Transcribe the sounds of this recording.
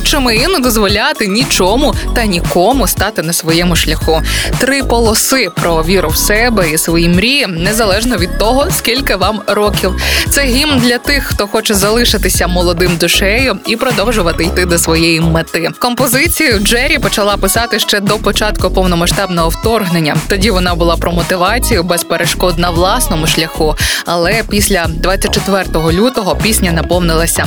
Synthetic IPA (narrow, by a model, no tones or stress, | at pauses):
t͡ʃɔmɪjinɛd̪ɔzʋɔlʲat̪ɪnʲit͡ʃɔmʊt̪ɐnʲikɔmʊst̪ɑt̪ɪnɐsʋɔjɛmʊʃlʲɐxut̪ɾɪpɔlˠɔsɪpɾɔʋʲiɾʊwsɛbɛisʋɔjimɾʲinɛzɐlˠɛʒnɔʋʲid̪̚t̪ɔɦɔskʲilʲkɪʋɑmɾɔkʲiwt̪sɛɦʲimnd̪lʲɐt̪ɪxxt̪ɔxɔt͡ʃɛzɐlˠɪʃɪt̪ɪsʲɐmɔlˠɔd̪ɪmd̪ʊʃɛjʊipɾɔd̪ɔwʒʊʋɐt̪ɪjt̪ɪd̪ɔsʋɔjejimet̪ɪkɔmpɔzɪt͡sʲijɐwd͡ʒɛɾʲipɔt͡ʃɐlˠɑpɪsɑt̪ɪʃt͡ʃɛd̪ɔpɔt͡ʃɑt̪kʊpɔwnɔmɐʃt̪ɑbnɔɦɔwt̪ɔrɦnenʲːɐt̪ɔdʲiʋɔnɑbʊlˠɑpɾɔmɔt̪ɪʋɑt͡sʲijʊbɛspeɾeʃkɔd̪nɐwlˠɑsnɔmʊʃlʲɐxuɐlˠɛpʲisʲlʲɐd̪ʋɑt͡sʲːɐt̚ʲt͡ʃet̪ʋɛrt̪ɔɦɔlʲut̪ɔɦɔpʲisʲnʲɐnɐpɔwnɪlˠɐsʲɐ